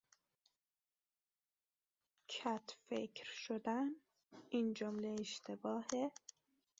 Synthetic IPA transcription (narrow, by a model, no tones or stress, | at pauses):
cʰæt̪ʰfekʰɾʃod̪æn | iːnd͡ʒomleːʃt̪ʰebɒːhe